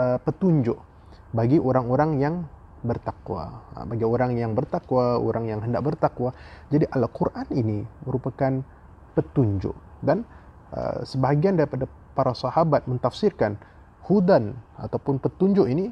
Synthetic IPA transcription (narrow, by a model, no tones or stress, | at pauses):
əpət̪uɲd͡ʒʊʔ | baɡiʔoɾaŋoɾaŋjaŋ | bərt̪akwa̰baɡioɾaŋjaŋbərt̪akwao̰ɾaŋjaŋɦəndak̚bərt̪akwad͡ʒadiʔalkurʔaniniməɾupakan | pət̪uɲd͡ʒʊ̰ʔ | dan | ə̰səbaɦaɡiandaɾipada | paɾasahabat̪̚mənt̪afsirkan | hudana̰t̪awpʊnpət̪uɲd͡ʒʊʔini